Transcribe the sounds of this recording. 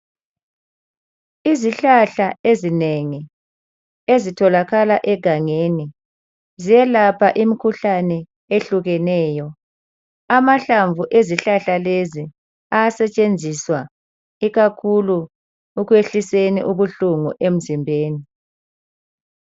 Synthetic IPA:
iziɬaɬaezineŋi | ezitʰɔlaɣalaʔɛɡ̥ʱaŋeni | zijɛlapʰaʔimikʰuɬanɛ | eɬuɣɛnɛːjɔ | amaɬaɱvuʔeziɬaɬalezi | ajasɛt͡ʃʼend͡zʱiswa | iɣakʰuluː | ɣweɬisenḭʔuβuɬuŋuʔem̩zimbʱeːni

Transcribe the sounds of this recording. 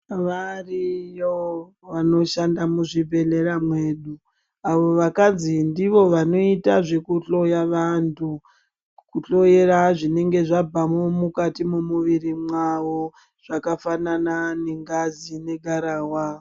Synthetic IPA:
ʋarijo | ʋano̞ʃandamuʐibʱe̞le̞ɾamwe̞ːɗu | aʋo̞ʋakad͡zindiʋo̞ʋano̞itaʐe̞kut͡ɬo̞jaʋantʰu | kut͡ɬo̞jeɾaʐine̞ŋɡe̞ʐabʱamomukatimomuʋirimwaʋo̞ | ʐ̥akafananane̞ŋɡazine̞ɡʱaɾaːwa

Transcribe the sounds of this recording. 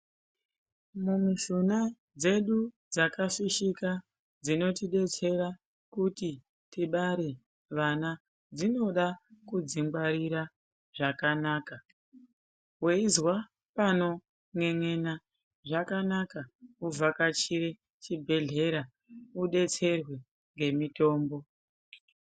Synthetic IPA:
mumuʃuna | d͡ze̞ɗud͡zakaʃiʃika | d͡zino̞tiɗe̞t͡se̞ɾa | kuti | tiɓaɾe̞ | ʋana | d͡zino̞ɗakud͡ziŋɡwaɾiɾa | ʐ̥akanaːka | weizwa | pano̞ | ŋwe̞ŋe̞na | ʐakanakauvʱakat͡ʃiɾe | t͡ʃibʱe̞ɮe̞ɾa | uɗe̞t͡se̞rwe | ŋɡe̞mito̞ːmbo̞

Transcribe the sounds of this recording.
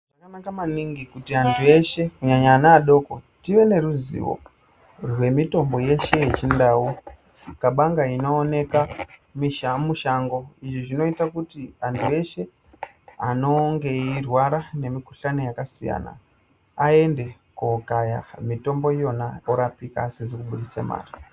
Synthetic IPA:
ʐakanakamaniŋɡikutiɦantʰue̞ʃe̞kuɲaɲaːnaːɗo̞ko̞tiʋe̞ne̞ɾuzḭʋo̰ | rwe̞mito̞mbo̞je̞ʃe̞jet͡ʃindaːu | kaɓaŋɡaino̞ːne̞kamiʃamuʃaŋɡo̞iʐiʐino̞itakutiantʰue̞ʃe̞ | ano̞ŋɡe̞irwaɾane̞miku̥ɬano̞jakasija̰ːna̰ | ae̞nde̞kukaja̰mito̞mbo̞jo̞naoɾapika̰ːsizikuɓuɗisḛma̰ːri

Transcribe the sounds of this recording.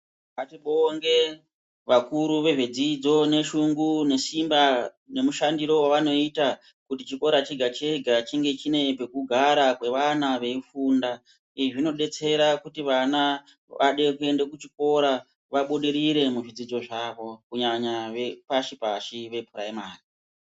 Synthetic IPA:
ʋatiɓoŋɡe̞ | ʋakuɾuʋe̞ʐed͡zid͡zo̞ne̞ʃuŋɡune̞simba | ne̞muʃandiɾo̞waʋano̞ita | kutit͡ʃiko̞ɾat͡ʃeɡʱat͡ʃeɡʱat͡ʃiŋɡe̞t͡ʃine̞pe̞kuɡʱaɾakwe̞ʋanaʋe̞ifuːnda | iʐino̞ɗe̞t͡se̞ɾakutiʋana | ʋʔaɗe̞kue̞ndekut͡ʃiko̞ɾa | ʋaɓo̞ɗe̞ɾiɾe̞muʐid͡zid͡zo̞ʐaːʋo̞kuɲaɲaʋepaʃipaʃiʋe̞pʰuɾaimaːni

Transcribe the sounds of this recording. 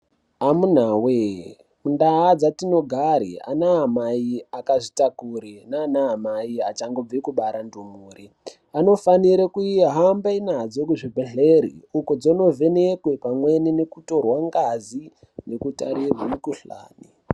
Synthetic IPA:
amun̤aːwe | mundaːd͡zatino̞ɡʱaɾḭa̰naɦːmaiakaʐitakuɾinaːnaɦamaiat͡ʃaŋɡo̞b͡vekuɓaɾandumuːɾi | ano̞faniɾekuiɦambainad͡zo̞k̬uʐibʱeɮeɾḭukod͡zono̞ve̞nekwepamwe̞ninekuto̞rwaŋɡazi | nekuta̰ɾirwanekuɬa̰ːni

